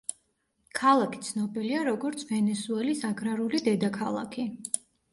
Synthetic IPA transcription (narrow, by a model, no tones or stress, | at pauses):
kʰalˠakʰi̥t̪sʰnɔbiliaɾɔɡɔɾt̪sʰvɛnɛsuɛlisaɡɾaɾulid̪ɛd̪akʰalˠa̰kʰi